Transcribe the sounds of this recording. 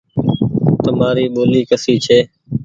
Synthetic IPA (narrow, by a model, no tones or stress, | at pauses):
t̪əmaːɾiːɓoːliːkəsiːt͡ʃʰeː